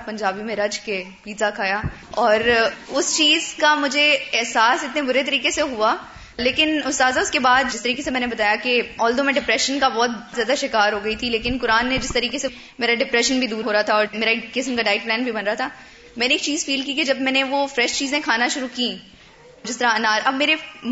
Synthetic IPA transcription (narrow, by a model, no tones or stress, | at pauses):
pɐ̃ɲd͡ʒaːbimẽɾɐd͡ʒke | ʋiːzakʰaːja | ɔːɾʊst͡ʃiːzkamʊd͡ʒʱeɛɦsaːsɪt̪nẽbʊɾet̪ɐɾiːkeseɦua | leːkɪnʊst̪aːzaʊskebaːd̪d͡ʒɪst̪ɐɾiːkesemɛːnebɐt̪aːjakeɔːld̪omẽɖɪpɾɛʃənkabɔːt̪zjaːd̪aʃɪkaːɾɦoːɡɐit̪ʰileːkɪnkʊɾaːnːed͡ʒɪst̪ɐɾiːkese | meːɾaɖɪpɾɛʃənbʱid̪uːɾɦoːɾaat̪ʰaɔːɾmeːɾakɪsmkaɖaːɪʈ̚plɛ̃ːnbʱibɐnɾaɦat̪ʰaː | mɛ̃ːneːk̚t͡ʃiːzfiːlkiked͡ʒɐbmɛ̃ːneʋofɾɛʃt͡ʃiːzẽkʰaːnaʃʊɾukĩ | d͡ʒɪst̪ɐɾaɐnaːɾʔɐbmeːɾe